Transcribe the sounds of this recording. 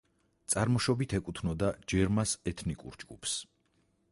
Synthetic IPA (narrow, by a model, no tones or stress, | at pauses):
t̪sʼaɾmɔʃɔbit̪ʰɛkʼut̪ʰnɔd̪ad͡ʒɛɾmasɛt̪ʰnikʼṵɾd͡ʒɡṵpʰs